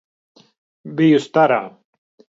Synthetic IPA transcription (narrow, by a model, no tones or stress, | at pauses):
bijust̪aɾa̰